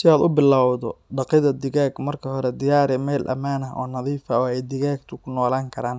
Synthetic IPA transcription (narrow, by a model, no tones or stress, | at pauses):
sɪaːd̪ʊbɪlːawd̪ɔɖɑqɪðɐd̪ɪɣaːɡmɐrkʰɐhɔɾɛd̪ɪjaːɾɛmɛːlʔɐ̰maːnɐʔɔ̰ːnɐðiːfɐɔːɛjd̪ɪɣaːɡt̪ʰʊkʰʊnɔːlaːŋkʰɐɾaːn